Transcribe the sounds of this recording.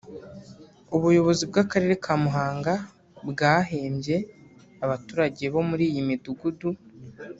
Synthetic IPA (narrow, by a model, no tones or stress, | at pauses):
uβujo̞βo̞zibɡakaɾe̞ɾe̞kʰamuɦaːŋɡa | bɡaːɦe̞ːmbje̞ | aβatuːɾaɟe̞βo̞muɾiːjimiduɡudu